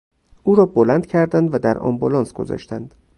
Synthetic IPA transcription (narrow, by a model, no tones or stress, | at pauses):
ʔuːɾɒːbolænd̪cʰæɾd̪ænd̪væd̪æɾɒ̰mbolɒːnsɡ̥o̞̰zɒ̰ːʃt̪ænd̪̥